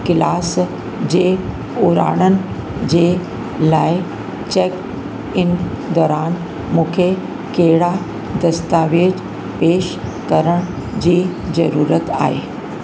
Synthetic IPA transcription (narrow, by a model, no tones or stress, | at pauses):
kɪlaːs | d͡ʑeː | ʊɾa̰ːɽ̃ənɪ̆ | d͡ʑeː | laːɪ | t͡ɕek | ɪn | d̪ɔːɾaːn | mũːkʰe | keɦɪɽa | d̪ɐst̪aʋeːd͡ʑ | peːʃkɐɾəɽ̃ | d͡ʑiːzɐɾuːɾət̪a̰ːɦḛː